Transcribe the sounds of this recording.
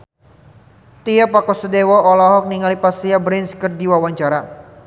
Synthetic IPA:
t̪iapakɔsədewɔɔlɔɦɔk̚niŋalipasiabɾɛnskərdiwawaɲt͡ʃaɾa

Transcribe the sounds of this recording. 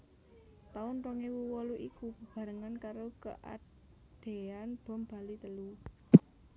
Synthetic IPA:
t̪aʊnrɔŋewuwɔluʔikubəb̥ä̤ɾəŋankaɾokə̰ʔa̰ | d̪̥e̤anb̥ɔ̤mb̥a̤lit̪əlu

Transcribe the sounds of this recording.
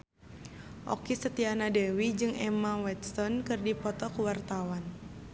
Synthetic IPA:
ʔɔ̰kisət̪ianadɛwid͡ʒɨŋɛmawɛt̪st̪ɔnkɨrdipɔt̪ɔkuwart̪awan

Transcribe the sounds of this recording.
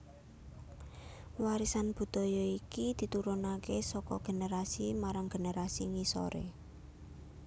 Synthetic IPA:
waɾisanb̥ṳd̪̥ɔ̤jɔikid̪̥i̤t̪uɾunakesɔkɔɡ̥e̤neɾasimaɾaŋɡ̥e̤neɾasiŋiso̰ɾḛ

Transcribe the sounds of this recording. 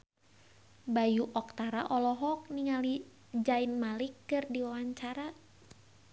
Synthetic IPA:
bajuʔɔk̚t̪aɾa̰ʔɔlɔɦɔk̚niŋali | d͡ʒainmalikːɨrdiwawaɲt͡ʃaɾa

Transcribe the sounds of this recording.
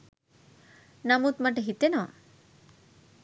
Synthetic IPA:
namut̪maʈ̬eɦit̪enɔ

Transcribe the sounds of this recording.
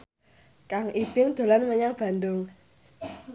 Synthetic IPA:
kaŋʔib̥ɪŋd̪̥o̤lanməɲaŋb̥a̤nd̪ʊŋ

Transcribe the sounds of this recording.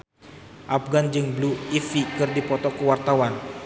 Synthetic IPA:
ʔafɡand͡ʒɨŋbluifikɨrdipɔt̪ɔkəwart̪awan

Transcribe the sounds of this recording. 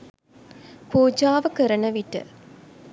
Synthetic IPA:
puːd͡ʒaːʋəkəɾənəʋiʈə̰

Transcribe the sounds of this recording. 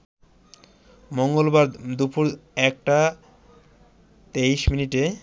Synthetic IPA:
moŋɡolbaɾd̪upuɾɛk̚ʈa | t̪eiʃminiʈe

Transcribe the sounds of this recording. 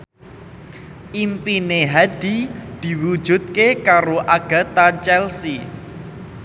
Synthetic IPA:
ʔimpineɦad̥i̤d̪̥i̤wu̥ʒ̥ṳt̪̚kekaɾoʔaɡ̥a̤t̪at͡ʃɛlsi

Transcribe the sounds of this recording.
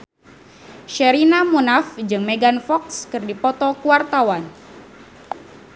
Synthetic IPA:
ʃɛɾinamunafd͡ʒɨŋmeɡanfɔkskɨrdipɔt̪ɔkuwart̪awan

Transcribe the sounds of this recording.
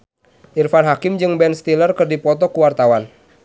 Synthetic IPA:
ʔirfanɦakɪmd͡ʒɨŋbɛnst̪ilərkɨrdipɔt̪ɔkuwart̪awan

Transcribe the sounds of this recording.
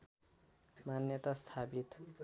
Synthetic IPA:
manjʌt̪ast̪ʰapit̪

